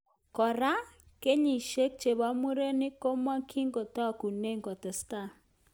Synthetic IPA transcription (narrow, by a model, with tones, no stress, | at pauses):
kɔ˨ɾa˦ | ke˦ɲi˨ʃe˦k̚t͡ʃe˨ba˦mu˦ɾe˦nɪ˦ko˦ma˦kʰi˦ŋɡo˨ta˦˨ku˨ne˦ŋɡɔ˨tɛ˨sta˦˨